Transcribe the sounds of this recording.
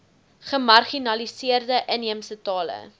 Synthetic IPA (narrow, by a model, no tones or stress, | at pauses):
χəmɐrχinɐlisiərdəʔəniəmsətɑːlə̰